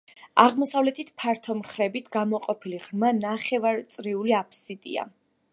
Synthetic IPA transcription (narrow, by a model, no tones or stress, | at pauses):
aʁmɔsavlɛt̪ʰit̪ʰpʰaɾt̪ʰɔmχɾɛbit̪ʰɡamɔqʼɔpʰiliʁɾmanaχɛvaɾt̪sʼɾiuliapʰsit̪ʼḭa̰